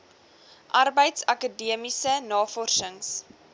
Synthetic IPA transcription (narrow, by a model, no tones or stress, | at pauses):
ʔɐrbəjtsɐkədiəmisənɑːfɔrʃəŋs